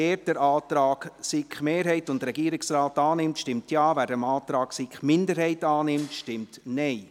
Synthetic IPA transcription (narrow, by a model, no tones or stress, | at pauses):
eːɾdəɾʔɑːt̪ɾɑːksɪkχmeːɾɦɛɪtʊndɾɛɡiəɾɪksraːtɑːnɪmtʃtɪmtjaːvæːɾdɛmɑːt̪ɾɑːɡsɪkχmɪndəɾhɛɪtɑːnɪmtʃtɪmtnɛɪ